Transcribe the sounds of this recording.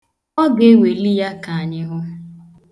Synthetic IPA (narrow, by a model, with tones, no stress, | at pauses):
ɔ˦ɡe˨˦we˨li˦ja˦ka˨a˨ɲɪ˦ɦʊ˦